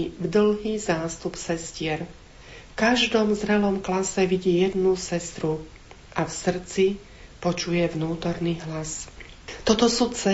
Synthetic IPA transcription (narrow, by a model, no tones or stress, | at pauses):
vd̪l̩ɦiːzaːst̪upsɛscɪɛɾ | fkaʒd̪ɔmzɾɛlɔmklasɛʋiɟiːjɛd̪nusɛst̪ɾu | ʔafsr̩t͡si | pɔt͡ʃujɛvnuːt̪ɔɾniːɦlas | t̪ɔt̪ɔsuːt͡sɛ